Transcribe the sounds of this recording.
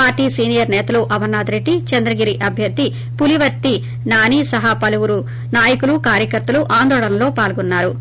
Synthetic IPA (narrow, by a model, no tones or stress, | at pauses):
aːɾʈiːsiːnijɐɾnɛːt̪ɐluʔɐmɐnːaːd̪ɾeʈːit͡ʃɐnd̪ɾɐɡiɾiʔɐbʱjɐd̪ːi | puliʋɐt̪ːi | naːniːsɐɦapɐluwuɾu | naːjɐkulukaːɾjɐkɐɾt̪ɐluʔaːnd̪ɔːɭɐnɐlo̞ːpaːlɡɔnːaːɾu